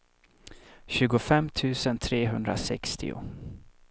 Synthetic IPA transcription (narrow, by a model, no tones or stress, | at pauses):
ɕʉ̟ːɡʊfɛmːt̪ʰʉ̟ːsənt̪ʰɾeːɦɵnd̪ɾa̰sɛ̰kst̪ʰɪ̰ʊ̰